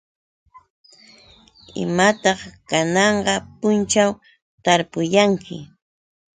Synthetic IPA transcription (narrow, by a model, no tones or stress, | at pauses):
ɪ̰mat̪ɑχkanɑɴɢɑpʊnt͡ʃaw | t̪aɾpʊjaŋkʰɪ̰